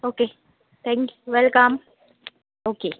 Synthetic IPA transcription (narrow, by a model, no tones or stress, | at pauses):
oːke | t̪ʰɛ̃ŋkjuʋɛlkəm | oːkeː